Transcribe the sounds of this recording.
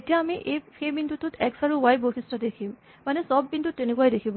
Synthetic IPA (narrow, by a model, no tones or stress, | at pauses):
etijaːmiʔejpʰebintut̪ut̪ʰɛksaɹuwajbokʰistadekʰim | manesɔb̚kint̪uenekuajdekʰibo